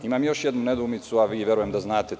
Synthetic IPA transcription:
imamjo̞ʃjed̪nuned̪uːmit̪suaʋiːʋjeɾujemd̪aznaːt̪e

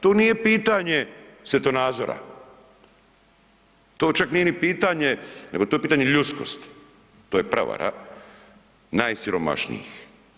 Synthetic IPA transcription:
t̪onije̞piːt̪aɲe̞sʋjet̪onaːd̪zoɾa̰ | t̪oːt͡ʃaknijenipiːt̪aɲeneɡot̪oepit̪aɲeʎut̪sko̞̰st̪ | t̪ojepɾa̰ʋa̰ɾa̰ | naːjsiɾoma̰ʃnḭjḭx

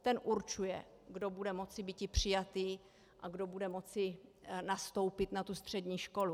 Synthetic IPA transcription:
t̪ɛnʔuɾt͡ʃujɛ̰ | ɡdo̞budɛmo̞t͡sɪbiːcɪpr̝̥ɪjat̪iː | ʔaɡdo̞budɛmo̞t͡sɪnast̪o̞wpɪt̪nat̪ust̪r̝̥ɛdɲiːʃko̞lu

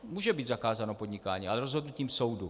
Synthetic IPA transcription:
muːʒɛbiːd̪zakaːzanopo̞dɲɪkaːɲiːʔalɛɾozɦodnuciːmso̞wdu

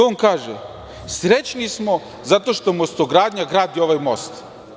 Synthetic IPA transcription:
onkaːʒe | sɾet͡ɕnismo̞ | zat̪o̞ʃt̪omost̪oɡɾaːd̪ɲaɡɾaːd̪io̞ʋajmo̞st̪

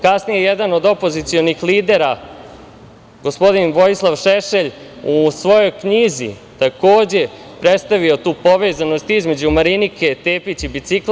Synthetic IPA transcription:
kasnijejed̪ano̞d̪o̞po̞zit̪sio̞nixliːd̪e̞ɾa | ɡo̞spo̞d̪inʋo̞jislˠaʋʃeʃe̞ʎ | usʋo̞jo̞jkɲizḭ | t̪ako̞ːd͡ʑe̞ | pɾet̪st̪aʋio̞t̪uːpo̞ʋe̞ːzano̞st̪izme̞d͡ʑumaɾinike̞t̪eːpit͡ɕibit̪sik

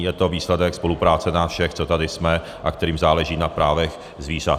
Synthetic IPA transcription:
jɛt̪o̞viːslɛdɛkspo̞lupɾaːt͡sɛnafʃɛxt͡so̞t̪adɪsmɛ | ʔakt̪ɛɾiːmzaːlɛʒiːnapɾaːvɛx | zviːra

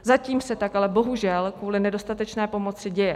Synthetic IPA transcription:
zaciːmsɛt̪akalɛbo̞ɦuʒɛlkkvuːlɪnɛdo̞st̪at̪ɛt͡ʃnɛːpo̞mo̞t͡sɪɟɛjɛ

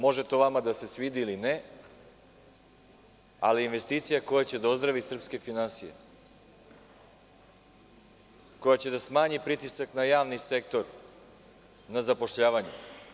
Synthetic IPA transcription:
mo̞ʒe̞t̪oʋamad̪ase̞sʋid̪iline | aliːnʋe̞st̪iːt̪sijako̞jat͡ɕe̞d̪aozd̪ɾaʋisr̩pske̞finansijḛ | ko̞jat͡ɕe̞d̪asmaːɲipɾit̪isaknajaːʋnise̞k̚t̪o̞ɾ | nazapo̞ʃʎaːʋaɲe

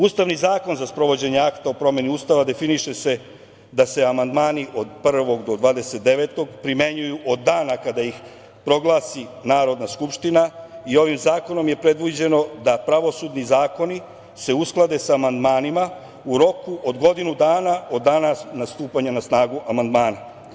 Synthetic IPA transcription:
uːst̪aʋnizaːko̞nzaspɾo̞ʋo̞d͡ʑe̞ɲe̞akt̪aopɾo̞mje̞niuːst̪aʋad̪e̞finiʃe̞se̞ | d̪ase̞amand̪maːniʔo̞d̪pr̩ʋo̞ɡd̪o̞d̪ʋaːd̪e̞se̞t̪̚d̪e̞ʋe̞t̪o̞ɡpɾime̞ɲujuʔod̪ːaːnakad̪aix | pɾo̞ɡlˠaːsinaːɾo̞d̪naskupʃt̪inaio̞ʋimzaːko̞no̞mje̞pɾe̞d̪ʋud͡ʑe̞no̞d̪apɾaʋo̞suːd̪nizaːko̞ni | se̞usklˠad̪e̞saːmand̪maːnima | uɾo̞kuʔo̞d̪ɡo̞d̪inud̪aːnao̞d̪ːaːnanast̪uːpaɲanasnaːɡuʔamand̪maːna

